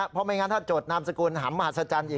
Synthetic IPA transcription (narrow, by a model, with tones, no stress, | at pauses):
pʰɔ˧maː˧jŋaː˧nt̪ʰaː˥˩t͡ɕoː˨˩t̪̚naː˧msa˧kuː˧nɦa̰ː˩˦nma˧a˨˩sa˧t͡ɕaː˧nʔiː˨˩